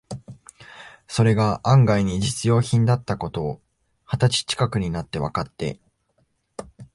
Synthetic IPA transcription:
so̞ɾe̞ɡaʔãŋɡaiɲ̟id͡ʑit͡sɨjo̞ːçĩnd̪at̪ːako̞t̪o̞ː | hat̪at͡ɕi̥t͡ɕi̥kakɯ̟ɲ̟inat̪ːe̞β̞a̰kat̪ːe̞̰

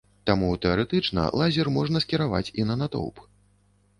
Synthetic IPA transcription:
t̪amut̪ɛaɾɛt̪ɨt͡ʂnɐ̰lˠazʲɛrmɔʐnɐskʲiɾava̰t͡sʲinɐnat̪ɔ̰wp

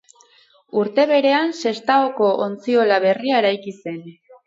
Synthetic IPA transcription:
uɾt̪e̞βe̞ɾe̞anse̞st̪aoko̞ʔont͡sio̞laβe̞riaeɾajkise̞n

